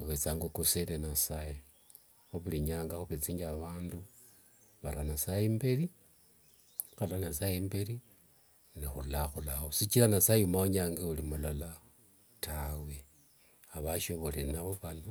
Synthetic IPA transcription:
xuβet͡saːŋɡokoselenasaje | xuβiliɲaːŋɡaxuβet͡siɲɡaβaːndu | βalanasajembeli | xalanasajembeli | nixulaxulaxosit͡ʃilanasajeumaoɲaːŋɡeulimulala | tawe | aβaʃo̞βolenaβoβano

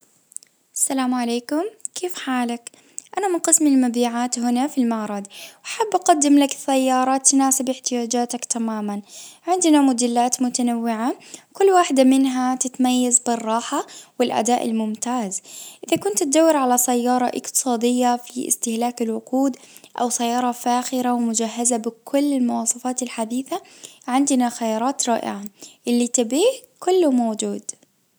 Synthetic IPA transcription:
ʔʔasːalaːmʕaleːkʊmkʰeːfħaːlak | ʔanamɪnqɨsmɪlmabiːʕaːt̪hʊnafilmɑʕɾˤɑd̪wʔaħabːʔɑqad̪ːɪmlakθːajːɑːɾˤɑt̪ːnaːsɪbʔɪħt̪ɪjaːd͡ʒaːt̪akt̪amaːmanʕɪnd̪namʊd̪ɪlːaːt̪mʊt̪anawːɪʕakʊlːwaːħɪd̪amɪnɦat̪ɪt̪majːazbɪrˤːɑːħawɪlʔa̰d̪aːʔɪ̰lmʊmt̪aːzʔʔɪðakʊnt̪t̪̚d̪awːɪɾʕalasajːɑːɾˤɑʔɪ̰qt̪ɨ̥sˤɑːd̪ɪjːafiʔɪ̰st̪ɪhlaːkɪlwʊquːd̪ | ʔa̰wsajːɑːɾˤɑfaːxɪɾawmʊd͡ʒaɦːazabɪkʰʊlːɪlmʊwɑːsˤɑfaːt̪ɪlħad̪iːθaʕɪnd̪naxajɑːɾˤɑːt̪ɾˤɑ̰ːʔɪ̰ʕaʔɪlːit̪abiːhkʊlːʊmowd͡ʒuːd̪

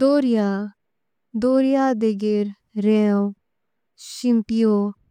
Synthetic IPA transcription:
d̪oːɾija | d̪oːɾijaːd̪eɡeɾ | ɾẽ | ʃimpijo

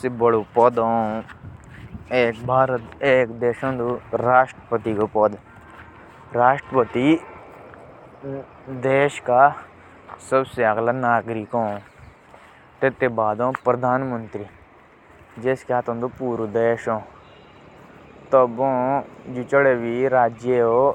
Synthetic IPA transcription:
sebəɽopɔd̪õ | eːkbaːɾeːkd̪eːʃõnd̪oɾaːʃʈɾəpət̪ikopɔd̪ | ɾaːʃʈɾəpət̪i | d̪eːʃka | səbseɐɣlanaːɡɾikõ | t̪et̪ːebaːd̪õːpɾəd̪ʱaːnmə̃nt̪ɾiː | d͡ʒeːskeaːt̪õːnd̪upuːɾd̪eːʃõː | t̪əbõːd͡ʒit͡ʃəɽeʋiɾaːd͡ʒjeoː

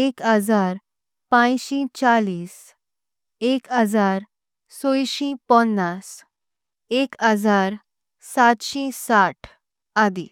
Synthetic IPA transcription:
ekɦəd͡zaɾ | pãjɕĩt͡ɕaliːs | ekɦəd͡zaɾ | sojɕĩpɔnːas | ekəd͡zaɾ | sat̪ɕĩsaʈʰ | ad̪ḭ

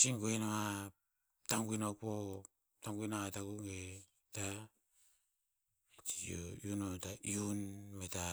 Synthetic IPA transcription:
t͡ʃinɡoinaŋa | taŋɡuinok̚po | taŋɡinaŋatakuŋe | ta | t͡ʃiojunotaiunmeta

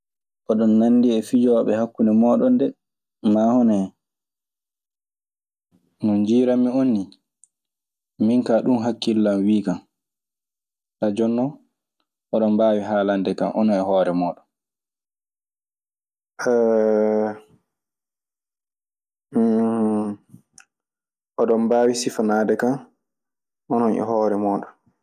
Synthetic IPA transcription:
ʔɔɗɔnːanːdiɛfid͡ʒɔɓɛhakːunɛmɔːɗɔndɛ | mahɔnɛɛ | nɔnd͡ʒiːɾamionːi | miŋkaɗunɦakːilːamwiːkam | ɗad͡ʒɔnːɔ | ʔɔɗɔmbaːwiɦaːlandɛkanʔɔnɔnɛhɔːɾɛmɔːɗɔn | ʔɛ | ʔɔɗɔmbaːwisifanaːdɛkan | ʔɔnɔnʔɛ̰hɔːɾɛmɔːɗɔn

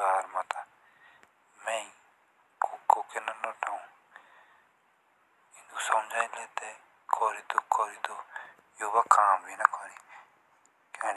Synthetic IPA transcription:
aːɾmat̪aː | mẽːi | koːkoːkenanoːʈʰaːũː | id̪usəmd͡ʒaːĩleːt̪e | kʰoːɾiːt̪okʰoːɾiːt̪oː | joːbakaːmbʱiːnakʰoːɾiː | kaːn

